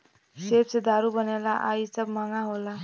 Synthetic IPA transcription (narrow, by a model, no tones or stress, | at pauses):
sebsed̪aɾubʌnelaʔaisʌbmaŋaɦola